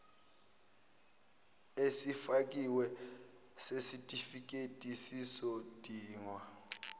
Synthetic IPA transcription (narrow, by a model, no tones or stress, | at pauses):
esifak̬ʼiwɛ | sesitʼifik̬ʼetʼisisod̥ʱiːŋwa